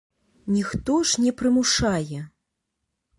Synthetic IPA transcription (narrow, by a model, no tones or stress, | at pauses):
nʲixt̪ɔʐnʲɛpɾɨmuʂajɛ